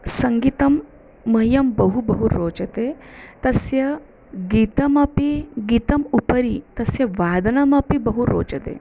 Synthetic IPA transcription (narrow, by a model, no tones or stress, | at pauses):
sɐŋɡit̪ɐmː | ɐjɐmbɐɦubɐɦuɾoːt͡ʃɐt̪eːt̪ɐsjɐ | ɡiːt̪ɐmɐpiɡiːt̪ɐmupɐɾit̪ɐsjɐʋaːd̪ɐnɐmɐpibɐɦuɾo̰ːt͡ʃɐt̪ḛː